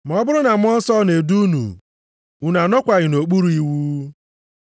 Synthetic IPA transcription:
m̩˨ɔ˦bʊ˦ɾʊ˦na˨m˦ɔ˦n̩˦sɔ˦ne˨du˦nṵ˨ | u˨na˨nɔ˦kʷa˨ɣɪ˨no˨k͡pu˦ɾu˦i˦wu˦

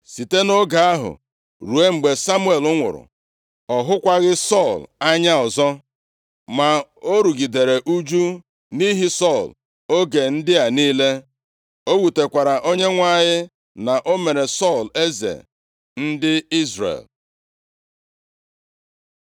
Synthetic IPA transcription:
si˨te˦no˦ɡa˨a˦ɦʊ̰˨ | ɾu˨e˦ŋ͡m̩˨ɡ͡be˨sa˦mu˦e˨lʊ˦ŋʷʊ̰˨ɾʊ̰˨ | ɔ˨ɦʊ˦kʷa˦ɣɪ˦sɔ˦˨la˦ɲa˦ɔ˨zɔ˦ | ma˨o˦ɾu˨ɡi˨de˨ɾe˨ʔu˦d͡ʒu˦ | ni˦ɦi˦sɔ˦˨l | o˦ɡe˨n̩˦dɪ˦a˨niː˦le˦ | o˦wu˨te˨kʷa˨ɾa˨ʔo˦ɲe˦ŋʷa˦˨ɲɪ˦ | na˨ʔo˦me˨ɾe˨sɔ˦˨le˦zḛ˨ | n̩˦dɪ˦i˦zrḛ˨l

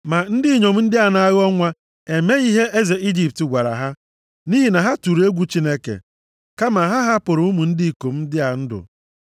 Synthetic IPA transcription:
ma˨n̩˦dɪ˦˨ɲo˨m̩˦n̩˦dɪ˦a˨na˦ɣɔ˦ŋʷa˦ | e˨me˦i˦ɦe˦ʔe˦ze˨i˦d͡ʒi˨pti˨ɡʷa˨ɾa̰˨ɦa˦ | ni˦ɦi˨na˨ɦa˦tu˨ɾe˦ɡʷu˦t͡ʃi˦ne˦kḛ˨ | ka˦ma˨ɦa˦ɦa˦pʊ˨ɾʊ˨˦u˦mu˨n̩˦di˦˨ko˨m̩˦dɪ˦a˨n̩˦dʊ̰˨

